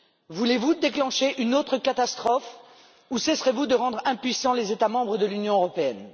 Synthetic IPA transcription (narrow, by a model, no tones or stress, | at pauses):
vulevud̪eklɑ̃ʃeʔynot̪χəkat̪ast̪χɔf | usɛsʁevud̪əʁɑ̃d̪ʁɛ̃pɥisɑ̃lezet̪amɑ̃bʁəd̪əlynjɔ̃øʁɔpeɛn